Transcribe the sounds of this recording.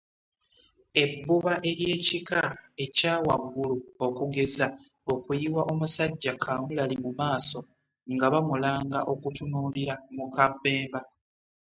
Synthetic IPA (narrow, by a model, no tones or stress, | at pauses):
e̞bːuβaʔe̞ɾje̞ːcikae̞caːwaɡːuluokuɡe̞za | o̞kujiwaʔo̞musaɟːakʰamulalimumaːso̞ | ŋɡaβamulaːŋɡaʔo̞kutunuːliɾamukabːe̞ːmba